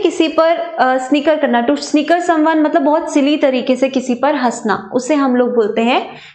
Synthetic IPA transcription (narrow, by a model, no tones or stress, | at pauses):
kɪsipɐɾsnɪkəɾkɐɾnaʈʊsnɪkəɾsɐ̃mʋaːnmɐt̪ləbːɔːt̪sɪlit̪ɐɾiːkesekɪsipɐɾɦɐsna̰ːʊsːeɦɐmloːɡ̚boːlt̪eɦɛ̃ː